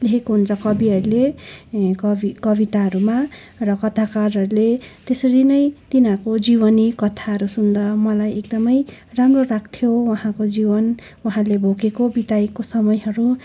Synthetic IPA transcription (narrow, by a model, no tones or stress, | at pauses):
lekekoɦunt͡sʰʌkʌbiʌɾule | kʌikʌbit̪aɦʌɾuma | rʌkʌt̪ʰakarɦʌɾulet̪esʌɾinʌjt̪inãkod͡ziβʌnikʌt̪ʰaɦʌɾusund̪ʌmʌlajekd̪ʌmʌjramrorakʰt̪ʰjowʌɦãkod͡zibʌn | wʌɦãlebʱokekobit̪ajkosʌmʌjɦʌɾu